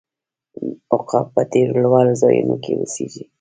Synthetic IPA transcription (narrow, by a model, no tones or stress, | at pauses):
ʊqɑpət̪eɾlwɑlzɑjunokewəseʒi